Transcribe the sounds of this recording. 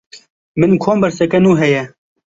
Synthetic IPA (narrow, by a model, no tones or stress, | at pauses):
mɪnkʰoːmbɐɾsɛkɛnuːɦɛjɛ